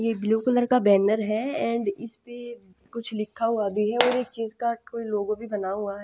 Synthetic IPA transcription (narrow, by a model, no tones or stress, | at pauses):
jeːbɪloːkələɾkabɛːnəɾɦɛɛ̃ːɳɖɪspe | kʊt͡ʃʰlɪkʰːaɦuabʱiɦɛɔːɾeːkt͡ʃiːzkakoːiloːɡõbʱibɐnaɦuaɦɛ